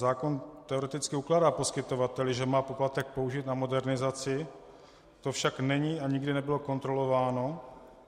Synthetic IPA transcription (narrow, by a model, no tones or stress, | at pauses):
zaːko̞nt̪ɛo̞ɾɛt̪ɪt͡skɪuklaːdaːpo̞skɪt̪o̞vat̪ɛlɪʒɛmaːpo̞plat̪ɛk̚po̞uʒit̪namo̞dɛɾnɪzat͡sɪ | t̪ofʃaknɛɲiːaɲɪɡdɪnɛbɪlo̞ko̞nt̪ɾo̞lo̞vaːno̞